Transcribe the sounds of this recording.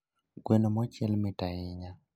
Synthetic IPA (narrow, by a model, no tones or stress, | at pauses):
ɡwenomɔt͡ʃɛlmɪtaɪɲa